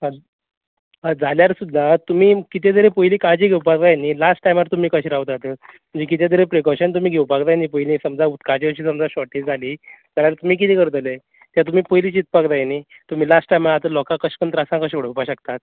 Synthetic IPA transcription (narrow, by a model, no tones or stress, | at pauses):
ad͡zaljaɾsud̪ʱːat̪um̤iːkit̪jed̪əɾepəjliːkad͡ʑiːɡʱewpakd̪ajenilasʈːajmaɾt̪um̤iːkəɕiɾaʋt̪at̪əm̤ə̃nd͡ʑekit̪̬jad̪əɾepɾekɔɕənt̪um̤iːɡʱewpakd̪ajniːp̬əjlĩːsəmd͡zaut̪kat͡ɕiəɕiːsəmd͡zaɕɔʈiːt͡sd͡zʱaliːd͡zaljaɾt̪um̤iːk̬it̪ekəɾt̪əle | t̪jat̪um̤iːpəjliːt͡ɕit̪̚pakd̪ajeniː | t̪um̤iːlasʈʈajmaɾat̪əlɔkãkəɕpəɳt̪ɾasãŋkaɕoɽ̤əwpaɕəkt̪at̪̚